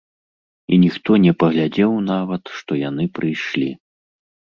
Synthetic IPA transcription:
inʲixt̪ɔnʲɛpɐɣlʲad͡zʲɛwnavɐt̪ʂt̪ɔjanɨpɾɨjʂlʲi

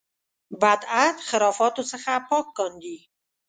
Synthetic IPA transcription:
bæd̪æt̪χeɾɒːfɒːt̪osexæpʰːɒːkːɒnd̪i

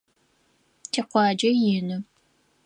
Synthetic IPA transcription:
tʰeqʷɑːd͡ʒɐjɪnɨ

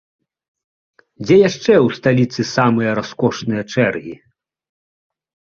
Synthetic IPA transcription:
d͡zʲɛjaʂt͡ʂɛwst̪alʲit̪sɨsamɨjɐɾaskɔʂnɨjɐt͡ʂɛrɣʲi

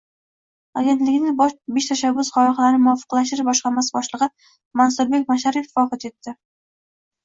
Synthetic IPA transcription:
aɡʲe̞nt̪lɪɡʲnɪŋbeʃt̪ʰaʃabːʊsχɒlɑχlaɾnɪmʊɒfɨ̥qlaʃ̬t̪ɪɾɪbɒʃqɑɾmasɪbɒʃlˠɨʁɨ | mansʊɾbe̞k̚ʲmaʃaɾifɒqɑt̪e̞t̪ːɪ

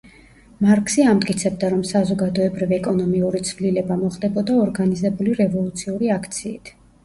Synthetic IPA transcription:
maɾkʰsiamd̪kʼit̪sʰɛb̚d̪aɾɔmsazɔɡad̪ɔɛbɾiviɛkʼɔnɔmiuɾit̪sʰvlilɛbamɔχd̪ɛbɔd̪aɔɾɡanizɛbuliɾɛvɔlˠut̪sʰiuɾiakʰt̪sʰiːt̪ʰ

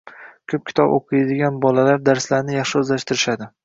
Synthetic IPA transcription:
kʰɵp̚kʲʰɪ̥t̪ʰɒbo̰qʰɨjad̪ɪɡʲanbɒlalaɾd̪aɾslaɾnɪjɑχʃɪɵzlaʃt̪ʰɪɾɪʃad̪ɪ

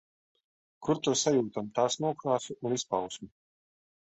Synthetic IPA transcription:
kuɾt̪usajuːt̪amt̪aːsnuɔkɾaːsuʔunispawsmu

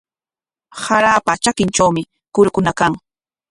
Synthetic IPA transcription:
haɾaːpat͡ʃakɪnt͡ʃawmɪ | kʊɾkʊnakaŋ

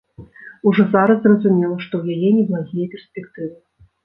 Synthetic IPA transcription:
uʐɔzaɾɐzrɐzumʲɛlˠɐʂt̪ɔwjajɛnʲɛbɨlˠazʲijɛpʲɛrspʲɛkt̪ɨvɨ

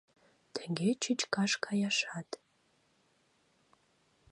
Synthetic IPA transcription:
tʰeŋɡʲet͡ʃʰɨt͡ʃkʰaʂkʰajaʂatʰʼ

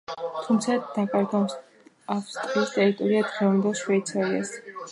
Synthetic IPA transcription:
t̪ʰumt̪sʰad̪akʼaɾt̪ʰa | apst̪ʼiist̪ʼɛɾit̪ʼɔɾiad̪ʁɛvand̪ɛlˠʃwɛit̪sʰaia̰s

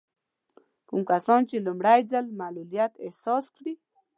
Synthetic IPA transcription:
kumkasɔnt͡ʃelumɽajzalmalulijat̪ehsɔskɽi

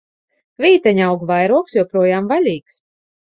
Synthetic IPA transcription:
vʲiːt̪ɛɲʲawɡvajɾuɔksjɔwpɾuɔjaːmvalʲiːks

